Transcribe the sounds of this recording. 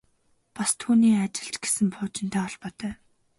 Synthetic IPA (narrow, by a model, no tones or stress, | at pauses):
past̪ʰuːniːat͡ɕɪ̆ɮt͡ɕɡesɘ̆mpʰʊːt͡ɕɪ̆nt̪ʰæːɔɮpɔt̪œː